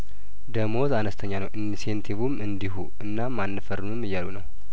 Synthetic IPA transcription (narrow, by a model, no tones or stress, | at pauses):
d̪əmo̞zanəst̪ʰəɲːanəwʔinsient̪ʰiβumɨnd̪iɦu | ɨnːamːanːɨfərːɨnumːɨjːalunəw